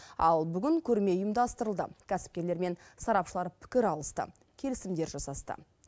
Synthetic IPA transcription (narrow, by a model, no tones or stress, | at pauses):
ɑ̰lˠbʏɡʲɪŋkʲʰɵɾme̞ʊjəmd̪ɑst̪əɾəlˠd̪ə̰kʲʰæsɪ̥p̚kʲe̞ɾle̞ɾme̞nsɑɾɑpʃəlˠɑɾpʰɪ̥kʲɪɾɑlˠəst̪ə̰ | kʲʰe̞lɪsɪmd̪e̞ɾʒɑsɑst̪ə̰